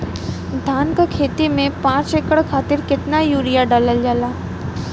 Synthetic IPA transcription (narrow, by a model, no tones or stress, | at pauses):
d̪ʱaːnkakʰeːt̪imẽpãːt͡ʃekəɽkʰaːt̪ɪɾkɪt̪najuːɾijaɖaləld͡ʒaːlaː